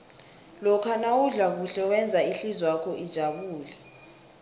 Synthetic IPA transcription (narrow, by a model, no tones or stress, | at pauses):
lɔkʰanawuɮak̬uɬɛwɛnd͡zʱaiɬizwakʰɔʔid̥ʒ̥ʱaɓuːla